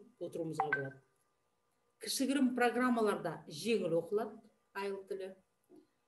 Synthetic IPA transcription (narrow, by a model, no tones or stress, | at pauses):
wo̞t̪əɾuməzʁɑbolˠɑd̪ə | kʲʰɪ̥ʃɪɡʲɪɾɪmpro̞ɡramːalˠɑɾd̪ɑʒe̞ŋɪlwo̞qəlˠɑd̪ | ɑjəlˠt̪ʰʏlɪ